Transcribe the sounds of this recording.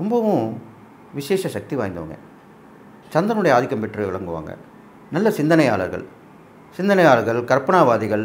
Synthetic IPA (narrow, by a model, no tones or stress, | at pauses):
ɾɔmbɐʋʊ̃ | ʋɪʂeːʂɐʃɐk̚t̪iʋa̰ːjnd̪ɯʋɐ̰ŋɡɐ̰ | t͡ʃɐnd̪ɐnɯɽɐjɐaːðɪkːɐmpɛʈːrɯʋɪɭɐŋɡɯʋa̰ːŋɡɐ̰ | nɐlːɐsɪnd̪ɐnɐjaːɭɐ̰ɾɣɐ̰ɭ | sɪnd̪ɐnɐjaːlɐɾɣɐɭkɐɾpɐɳaːʋaːðɪɣɐɭ